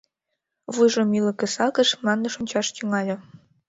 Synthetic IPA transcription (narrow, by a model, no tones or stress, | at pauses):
βujʒomilə̆kĕsɑkə̆ʃmlɑnːeʃonʲt͡ɕɑʃt̪yŋɑlʲɤ̆